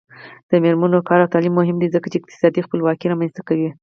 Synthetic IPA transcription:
d̪̥əmeɾmanokɑɾawt̪ɑlimːʊɦɪmd̪izəkat͡ʃeɪq̚t̪ɪ̥sɑd̪ixpəlwɑkiɾɑmanst̪akawi

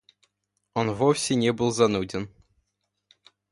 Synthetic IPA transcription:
onvofsʲɪnʲebɨlˠzɐnudʲɪn

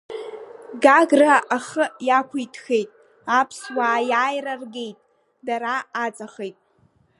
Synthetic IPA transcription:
ɡaɡraʔaχəjakʷʰʊjtʰxe̞jtʼ | apʰswaːjaːjrarɡejtʼ | daɾaːt͡sʼaχejtʼ

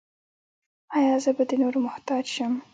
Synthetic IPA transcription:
ɑjɑzəbad̪ənoɾomʊht̪ɑd͡ʒʃəm

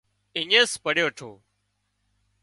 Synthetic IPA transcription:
ɪɲeːspəɽeːəʈʰoː

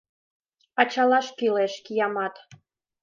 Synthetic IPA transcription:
ɑt͡ɕɑlɑʃkileʃkijɑmɑt̪

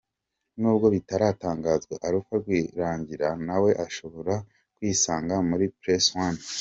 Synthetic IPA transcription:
nuːbɡo̞βitaɾaːtaːŋɡaːzɡweʔaɾukaɾɡwiːɾaːɲɟiɾanawe̞ʔaʃo̞βo̞ɾa | kwiːsaːŋɡamuɾipɾeswan

